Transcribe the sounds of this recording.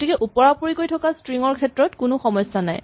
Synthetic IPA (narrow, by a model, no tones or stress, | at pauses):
tikɛʔupɔɹapuɹikojtʰɔkastɹiŋɔɹkʰɛtɹɔtkʊnʊxɔmɔjsana̰j